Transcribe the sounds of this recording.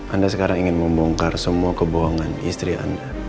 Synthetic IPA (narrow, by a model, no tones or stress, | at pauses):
ʔandasəkaɾaŋiŋɪnməmbɔŋkarsəmuakəboɦɔŋanḭst̪ɾiʔa̰nda